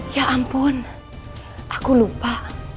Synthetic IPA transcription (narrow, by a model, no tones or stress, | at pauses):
jaʔampʊn | ʔakulupa